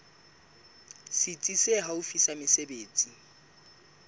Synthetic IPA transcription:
sɪt͡sʼiseɦaʊfisamɪsebeːt͡sʼi

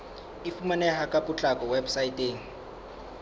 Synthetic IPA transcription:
ifumanɛhakʼaput͡ɬʼakʼɔwɛbsaitʼeːŋ̩

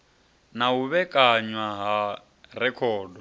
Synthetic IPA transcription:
naɦuβɛkʼaɲwaɦa | rɛkʰɔːdɔ

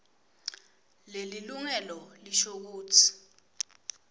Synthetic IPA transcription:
leliluŋɛlɔliʃok̬uːtʰi̥

